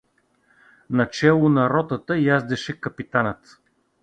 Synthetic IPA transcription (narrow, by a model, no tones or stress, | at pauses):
nɐt͡ʃɛlˠʊnɐɾɔt̪ət̪əjazd̪ɛʃɛkɐpit̪anət̪